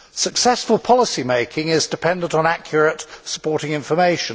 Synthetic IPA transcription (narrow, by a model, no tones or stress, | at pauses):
səksɛsfəlˠpʰɒlɪsimeɪkʰɪ̃ŋɪzdɪpʰɛ̃ndə̃ntn̩ækʰjəɹətsə̥pʰɔɹɾɪ̃ŋɪ̃ɱfəmeɪʃə̃n